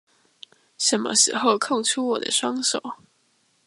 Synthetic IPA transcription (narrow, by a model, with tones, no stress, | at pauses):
ʂə˨˩nmə̰˦ʂɻ̩˧˥xo˥˧ʊkʰɤ˥˨ŋʈ͡ʂʰu˥wɔ˨˩d̪ə̰˦ʂwɑ˥ŋso˨˩˦ʊ